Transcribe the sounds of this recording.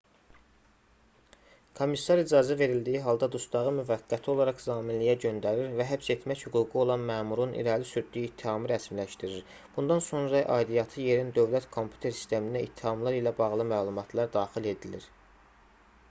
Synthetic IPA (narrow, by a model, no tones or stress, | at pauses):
kʰo̞misːɑɾid͡ʒɑzæve̞ɾild̪ijiɦɑlˠd̪ɑd̪ust̪ɑʁɯmyvæɡːæt̪ʰio̞lˠɑɾɑχzɑːminlijæɟø̞nd̪æɾiɾvæɦæpse̞t̪ʰmæçhyɡuɡuo̞lˠɑnmæːmuɾunḭɾælisyɾd̪ːyjiːt̪ʰːihɑmɯɾæsmlæʃt̪iɾiɾ | b̥und̪ɑnso̞nɾɑʔɑ̰ːd̪ijɑt̪ʰɯjeɾind̪ø̞vlæt̪kʰo̞mpʰju̥t̪ʰe̞ɾsi̥st̪ʰe̞mind̪æit̪ʰːihɑmlˠɑɾilæbɑɣlˠɯmæːlˠumɑt̪ʰlˠɑɾd̪ɑːχile̞d̪iliɾ